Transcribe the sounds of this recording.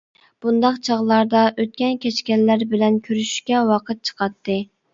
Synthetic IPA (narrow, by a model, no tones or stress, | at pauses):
b̥und̪ɑqt͡ʃʰɑʁlˠɑɾd̪ɑʔøt̪̚kʲɛnkʲɛt͡ʃkʲɛllːæɾbɪlɛnkʲʰøɾyʃy̥ʃkʲɛwɑqʰət̪̚t͡ʃʰə̥qʰɑt̪ːɨ